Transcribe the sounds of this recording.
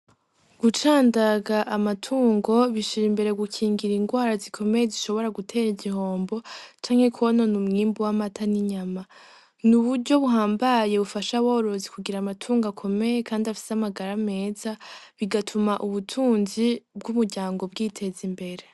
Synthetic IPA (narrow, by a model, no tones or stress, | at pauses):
ɡ̥ut͡ʃaːndaɡaʔamatʰuːŋɡo̞βiʃiɾimbe̞ɾe̞ɡukʰiːŋɡiɾiŋɡwaːɾazikʰo̞me̞jeziʃo̞βo̞ɾaɡutʰe̞ːɾiɟiɦo̞ːmbo̞t͡ʃaːŋhe̞kʰono̞numŋiːmbuwamatʰaniɲama | nuβuɾɟo̞βuɦaːmbaje̞βufaʃawoɾo̞zikuɡiɾamatʰuːŋɡakʰo̞me̞je̞kaːndiafi̥seamaɡaɾame̞ːzaβiɡatʰumaʔuβutʰuːnzib̚ɡumuɾɟaːŋɡo̞bɡiːtʰe̞zimbe̞ɾe̞